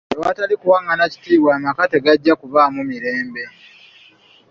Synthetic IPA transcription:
ewatalikuwaːŋɡanaci̥tiːβwaːmakate̞ɡaɟːakuvamumiɾe̞ːmbe̞

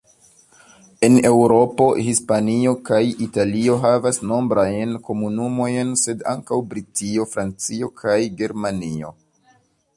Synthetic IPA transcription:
e̞ne̞wɾo̞po̞hispanio̞kajitalio̞ɦavasno̞mbɾajnko̞munumo̞jnse̞da̰ŋkawbɾitio̞fɾant͡sio̞kʰajɡe̞ɾmanio̞̰

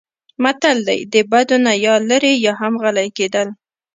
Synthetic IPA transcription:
mat̪ald̪a̰jd̪əbad̪onajɑləɾejɑɦamɣalajked̪əl

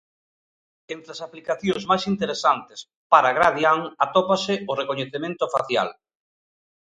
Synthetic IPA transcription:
ent̪ɾeasaplikaθjoŋzmajsint̪eɾesant̪ɪ̥s | paɾaɣɾaðjaŋat̪opasɪʊrekoɲeθemẽnt̪ʊfaθja̰l

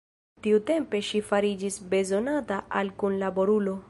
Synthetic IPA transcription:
tiute̞mpe̞ʃifaɾid͡ʒisbe̞zo̞nataʔalkunlabo̞ɾulo̞

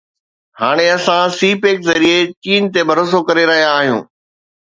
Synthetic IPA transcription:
haːɽ̃eɐsãsiːpeːkzɐɾiet͡ɕiːnt̪ebʱɐɾoːs̬okɐɾeɾɐɦijaːɦijṵ̃ː

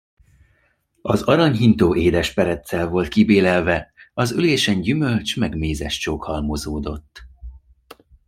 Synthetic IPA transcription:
ɒzɒɾɒɲɦint̪oːʔeːd̪ɛʃpɛɾɛt̪sɛlvo̞lt̪̚kibeːlɛlvɛɒzyleːʃɛɲɟymø̞lt͡ʃmɛɡmeːzɛʃt͡ʃoːkhɒlmo̞zoːd̪o̞t̪ː

